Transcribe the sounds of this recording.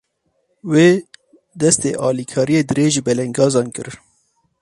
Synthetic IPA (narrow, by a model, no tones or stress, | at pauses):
weː | d̪ɛst̪ḛːʔɑːlikʰɑːɾijeːd̪ɨɾeːʒɨbɛlɛŋɡɑːzɑːnkɨɾ